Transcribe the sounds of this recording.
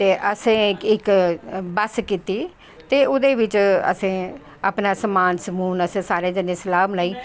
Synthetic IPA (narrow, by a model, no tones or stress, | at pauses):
t̪eːʔəsẽːkɪkbəskiːt̪iː | t̪eːʊd̪eːʋɪt͡ʃə̰sẽː | a̰ːpnaːsəmaːnsəmuːnəsẽːsaːɾeːd͡ʒənẽːsəlaːmlaːiː